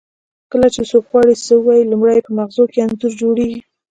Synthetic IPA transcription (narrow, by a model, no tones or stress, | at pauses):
kəlat͡ʃesobɣwɑɽit͡səwɑjilumɽajpəmaxzokeanzəɾd͡ʒoɽeɡi